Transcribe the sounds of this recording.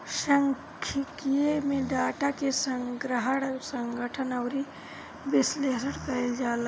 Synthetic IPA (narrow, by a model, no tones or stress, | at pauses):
ʃɐŋ | kʰikijemẽɖaːʈakesɐŋɡɾəɦəɽsɐŋɡʱəʈʰənɐwɾi | bɪsleːsəɽkɐld͡ʒaːl